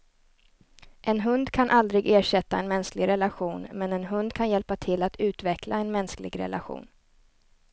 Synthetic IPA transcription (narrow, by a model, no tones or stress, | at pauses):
ʔɛnɦɵnd̪kʰanʔald̪ɾɪɡeːʂɛt̪ːaɛnmɛnsklɪɡɾɛlaɧuːnmɛnɛnɦɵnd̪kʰanjɛlpat̪ʰɪlːat̪ʰʉ̟ːt̪vɛklaɛnmɛnsklɪ̰ɡɾɛ̰lʔaɧṵːn